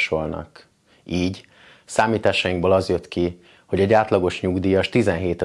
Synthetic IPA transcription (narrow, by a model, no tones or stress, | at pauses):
ʃo̞lnɒ̰k | iːɟ | saːmiːt̪aːʃɒjiŋɡboːlɒzjø̞t̪ki | ho̞ɟɛɟaːt̪lɒɡo̞ʃɲuɡd̪iːjɒʃt̪izɛnɦeːt̪ɛ